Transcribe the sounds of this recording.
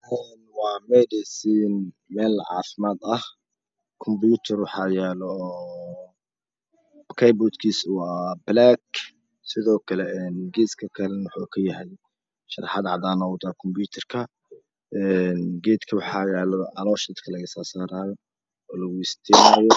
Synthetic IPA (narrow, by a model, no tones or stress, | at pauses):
ʔɛːnwɑːmɛd̪ɪsiːn | mɛːlʕɑ̰ːfɪmaːd̪ɐh | kʰɔmbjuːt̪ʰɐrwɑħɑːjɛːlɔː | kʰɛjbɔd̪kʰiːswɑːblaːɡ | sɪðɔːkʰɐlɛɛːnɡɛːskʰɐkʰɐlɛnwħuːkʰɐjɐɦɛj | ʃɐrħɑd̪ʕɑd̪aːnɔːwd̪akʰɔmbjuːt̪ʰɐrkʰɐ | ɛnɡɛːd̪kʰɐwɑħɑjɛːlɔɑlɔːʃɐd̪kʰɐlɐɣɐsaːsaːɾaːjɔ | ɔːlɐɣʊɪst̪ʰinaːjɔ